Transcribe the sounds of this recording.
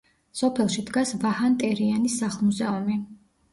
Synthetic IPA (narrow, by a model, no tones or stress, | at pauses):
sɔpʰɛlˠʃid̪ɡasvahant̪ʼɛɾianisːaχlˠmuzɛumi